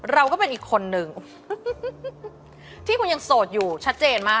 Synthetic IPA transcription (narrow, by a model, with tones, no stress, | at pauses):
ɾa˧wkɔː˥˩pe˧nʔiː˨˩kʰːo˧nːɯ˨˩ŋ | t̪ʰiː˥˩kʰu˧nja˧ŋsoː˨˩t̪̚juː˨˩t͡ɕʰa˦˥t̪̚t͡ɕeː˧nmaː˥˩